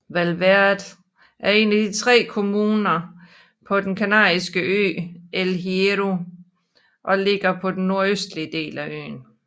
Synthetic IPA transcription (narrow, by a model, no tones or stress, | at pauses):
ʋælʋæɐð̥ˠ | ʔæɐe̝̰ːnæd̥it͡sʰʁɛ̰ːkʰo̝muːnɐ | pʰɒ̽d̥enkʰænæ̰ːisɡ̥əʔø̰ːelɦieʁo | ʔɒ̽le̝ɡ̥ɐpʰɒ̽d̥enːo̝ɐ̰øsd̥liəd̥e̝̰ːlæʔø̰ːn